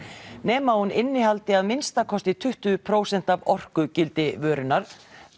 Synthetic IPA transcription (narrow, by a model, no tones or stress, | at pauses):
nɛːmahunɪnːɪɦalt̪ɪaðmɪnst̪akʰɔst̪ɪt̪ʰʏht̪ʏpʰɾoːwsɛn̥t̪avɔr̥kʏcɪlt̪ɪvœːɾʏnːaɾ̥